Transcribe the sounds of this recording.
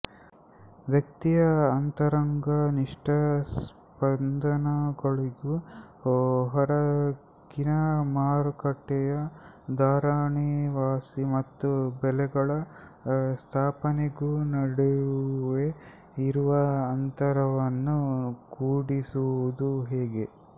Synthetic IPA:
ʋjɐk̚t̪ijɐːnt̪ɐɾɐŋɡɐniʂʈɐs | pɐnd̪ʱɐnɐɡɐɭiɡu | ɦɐɾɐ | ɡinɐmaːɾkɐʈːɛjɐ | d̪aːɾaːɳiʋaːsimɐt̪ːubɛlɛɡɐɭɐ | st̪ʰaːpɐneɡunɐɽejuʋe | iɾuʋɐːnt̪ɐɾɐʋɐnːukuːɽisuud̪uɦeːɡe

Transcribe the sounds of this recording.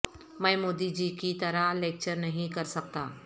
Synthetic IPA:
mɛ̃ːmoːd̪id͡ʒikit̪ɐɾaleːk̚t͡ʃəɾnɐɦĩkɐɾsɐk̚t̪a̰ː

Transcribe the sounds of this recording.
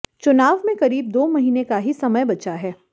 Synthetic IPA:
t͡ʃʊnaːʋmẽkɐɾiːb̚d̪oːmɐɦiːnekaɦisɐməjbɐtt͡ʃaɦɛː

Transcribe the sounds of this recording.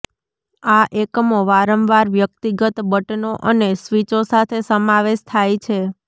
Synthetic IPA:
aʔekmoʋaɾəmʋaɾʋjək̚t̪iɡət̪bəʈnoʔənesʋit͡ʃosat̪ʰesəmaʋeʃt̪ʰajt͡ʃʰe

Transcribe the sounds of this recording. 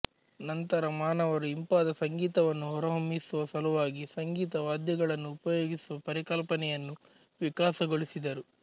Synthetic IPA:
nɐnt̪ɐɾɐmaːnɐʋɐɾuimpaːd̪ɐsɐŋɡiːt̪ɐʋɐnːuɦɔɾɐɦomisuʋɐsɐluʋaːɡisɐŋɡiːt̪ɐʋaːd̪jɐɡɐɭɐnːuːpɐjoːɡisuʋɐpɐɾikɐlpɐnɛjɐnːu | ʋikaːsɐɡoɭisid̪ɐɾu

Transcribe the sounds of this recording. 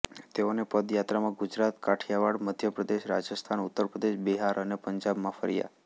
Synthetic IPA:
t̪eonepəd̪jat̪ɾamãɡʊd͡ʒɾat̪kaʈʰjaʋaɽməd̪ʱjəpɾəd̪eʃɾad͡ʒəst̪ʰanʊt̪ːəɾpɾəd̪eʃbiɦaɾʔənepəɲd͡ʒabmãfə̰ɾija̰

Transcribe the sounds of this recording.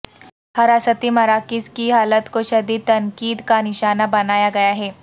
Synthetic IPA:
hɐɾasət̪iːmɐɾakiskiɦaːlət̪koɕəd̪iːt̪ɐŋkiːd̪kaniɕanabɐnaːjaɡɐjaɦe

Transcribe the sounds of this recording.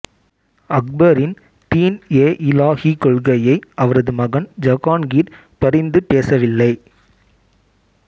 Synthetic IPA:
ɐk̚bɐɾɪn | t̪iːneːʔɪlaːɣikɔɭɣɐjɐɪɐʋɐɾɐðɯmɐɣɐnd͡ʒɐɣaːnɡiːɾ | pɐɾɪnd̪ɯpeːsɐʋɪlːɐɪ

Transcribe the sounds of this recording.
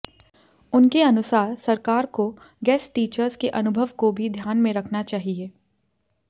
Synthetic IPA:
ʊnkeɐnʊsaːɾsɐɾkaːɾko | ɡɛːsʈiːt͡ʃəɾzkeʔɐnʊbʱəʋkobʱid̪ʱjaːnmẽɾɐkʰnat͡ʃaːɦieː

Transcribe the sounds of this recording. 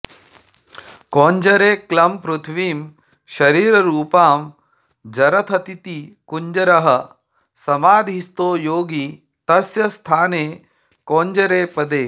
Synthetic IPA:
koːɲd͡ʒɐɾeːklɐmpɾut̪ʰʋiːm | ʃɐɾiːɾɐɾuːpaːm | d͡ʒɐɾɐt̪ʰɐt̪it̪ikuɲd͡ʒɐɾɐɦɐ | sɐmaːd̪ʱist̪oːjoːɡi | t̪ɐsjɐst̪ʰaːneː | koːɲd͡ʒɐɾeːpɐd̪eː

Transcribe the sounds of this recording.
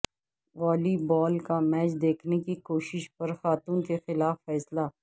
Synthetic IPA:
ʋaːlibɔːlkamɛːt͡ʃd̪eːkʰnekikoːʃɪʃpɐɾxaːt̪uːnkexɪlaːfːɛːsla

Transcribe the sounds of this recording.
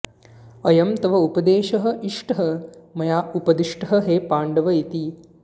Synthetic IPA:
ɐjɐmt̪ɐʋɐupɐd̪eːʃɐɦɐ̆ʔiʂʈɐɦɐmɐjaːupɐd̪iʂʈɐɦɐ̆ɦeːpaːɳɖɐʋɐit̪i

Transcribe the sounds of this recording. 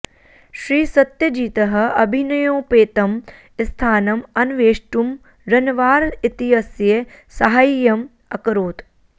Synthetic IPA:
ʃɾiːsɐt̪jɐd͡ʒiːt̪ɐɦɐ̆ɐbʱinɐjõːpeːt̪ɐm | ɪst̪ʰaːnɐmɐnʋeːʃʈum | ɾɐnʋaːɾɪt̪iɦɐsje | sɐɦaːjjɐm | ɐkɾoːt̪

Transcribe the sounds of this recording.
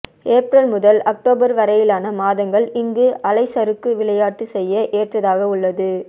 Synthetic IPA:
eːpɾɐlmʊðɐlɐk̚ʈoːbɐɾʋɐɾɐjɪlaːnɐmaːðɐŋɡɐɭɪŋɡɯʔɐlɐɪsɐɾɯkːɯʋɪɭɐjaːʈːɯsɛjːɐʔeːʈrɐðaːɣɐʊɭːɐðɯ

